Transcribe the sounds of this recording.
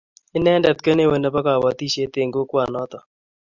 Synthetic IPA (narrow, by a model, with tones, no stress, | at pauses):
ɪ˦nɛ˦ndɛ˨t̪kə˦ne˦we˨nɛ˨˦ba˦ka˨wa˨t̪i˦ʃe˦t̪e˨ŋɡo˦kwa˨nɔ˦t̪ɔ˨